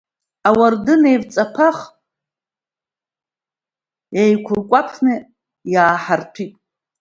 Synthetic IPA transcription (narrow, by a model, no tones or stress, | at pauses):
awardɨnejrt͡sʼapʰaχ | jajkʷʰʊrkʷʼapʰnɨ | jaːħartʰitʼ